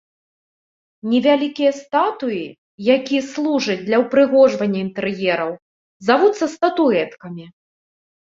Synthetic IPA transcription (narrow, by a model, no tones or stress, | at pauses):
nʲɛvʲalʲikʲijɐst̪at̪uji | jakʲijɐslˠuʐɐt͡s̚ʲd̪lʲɐwpɾɨɣɔʐvɐnʲːɐint̪ɛɾjɛɾɐw | zavut̪sːɐst̪ɐt̪uɛt̪kɐmʲi